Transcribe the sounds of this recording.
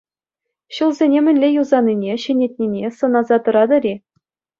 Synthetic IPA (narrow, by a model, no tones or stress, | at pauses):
ɕulˠzʲenʲemʲɘ̆nʲlʲejuzɑnʲinʲeɕĕnʲet̪ʲnʲinʲesɤ̆nɑzɑt̪ɤ̆ɾɑd̪ɤ̆ɾʲi